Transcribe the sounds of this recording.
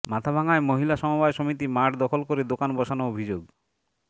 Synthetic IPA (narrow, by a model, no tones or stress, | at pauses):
mat̪ʰabʱaŋaemoɦilaʃɔmɔbajsɔmit̪imaʈʰd̪ɔkʰɔlkɔɾed̪okanbɔʃanɔobʱid͡ʒoɡ